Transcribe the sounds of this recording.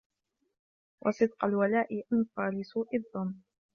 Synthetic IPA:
wʔɑ̰sˤɨd̪̚qɑlwalaːʔɪʔanfɑɾlɪsuːʔɪðˤːʊm

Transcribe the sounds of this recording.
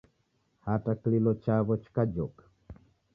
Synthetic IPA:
hataklilot͡ʃaβot͡ʃkad͡ʒok

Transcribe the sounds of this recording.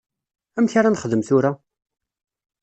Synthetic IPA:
æmçaɾanχəðəmθʊɾa

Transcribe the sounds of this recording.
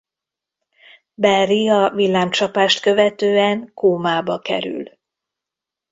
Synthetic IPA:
bɛriɒvilːaːmt͡ʃɒpaːʃt̪kø̞vɛt̪øːɛŋkoːmaːbɒkɛ̰ɾy̰l

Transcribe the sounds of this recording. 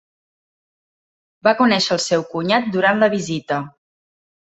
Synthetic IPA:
bakunɛʃəːlˠsɛwkuɲat̪̚d̪uɾanləβizit̪ə

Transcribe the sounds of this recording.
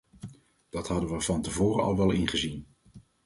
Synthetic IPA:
d̥ɑtɦɑdəʋəvɑntəvoːɾəɑ̰lˠʋɛlˠɪnχəzin

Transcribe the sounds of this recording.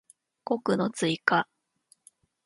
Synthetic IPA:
ko̞kɯ̟no̞t͡sɨika

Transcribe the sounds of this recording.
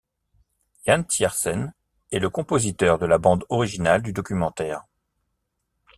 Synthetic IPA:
jant̪jɛʁsɛn | ɛləkɔ̃pozit̪œʁd̪əlabɑ̃d̪ɔʁiʒinald̪yd̪ɔkʲymɑ̃t̪ɛːʁ

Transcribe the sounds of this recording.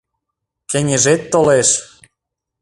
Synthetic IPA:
kĕnʲeʒet̪ːoleʃ

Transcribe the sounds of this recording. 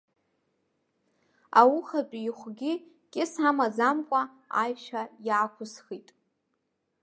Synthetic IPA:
a̰wʊχapʼiχʷɡʲɪ | kʲʼɪsamazamkʷʼa | ajʃajaːkʷʰʊsχitʼ

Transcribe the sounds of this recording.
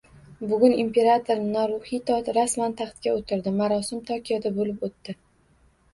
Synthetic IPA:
bʊɡʲʊnimpʰe̞ɾat̪ʰoɾnɒɾʊhit̪ʰɒt̪ɾasmant̪ʰaχt̪kʲaot̪ʰɪɾd̪ɪmaɾɒsɪmt̪ʰɒkʲʰijɒd̪abolɪpot̪ːɪ

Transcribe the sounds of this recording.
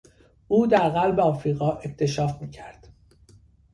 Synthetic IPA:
uːd̪æɾɣælbeɒːfɾiːɣɒːʔe̞ct̪ʰe̞ʃɒːfmiːcʰæɾd̪̥

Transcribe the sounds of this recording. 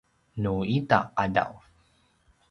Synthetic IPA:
nuita̰qada̰w

